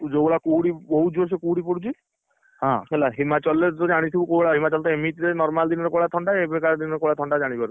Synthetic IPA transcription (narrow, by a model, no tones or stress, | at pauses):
d͡ʒoboɭakuɽibɔɦud͡ʒoɾs̬ekuɽipɔɽut͡ʃʰi | ɦãɦelaɦimat͡ʃɔlet̪ɔd͡ʒaɽ̃it̪ʰibukobɭaɦimat͡ʃɔlt̪ɔemit̪ɾenɔɾmald̪inɔɾekoɭat̪ʰɔɳɖaebekaɾd̪inɔɾekoɭat̪ʰɔɳɖad͡ʒaɽ̃ipaɾu